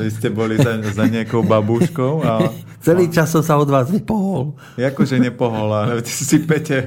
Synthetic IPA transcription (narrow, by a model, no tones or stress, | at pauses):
ʋiscɛbɔliazaɲɪakɔʊbabuʃkɔʊa | t͡sɛliːt͡ʃassɔmsaɔd̪ʋaːzʋipɔɦɔl | jakɔʒɛɲɛpɔɦɔlalɛt̪i̥sisipɛcɛ